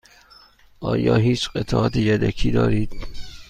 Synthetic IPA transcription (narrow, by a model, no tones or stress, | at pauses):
ʔɒːjɒːɦiːt͡ʃɢet̪ʰɒːʔɒːt̪ʰejæd̪ækʰiːd̪ɒ̰ːɾiːd̪̥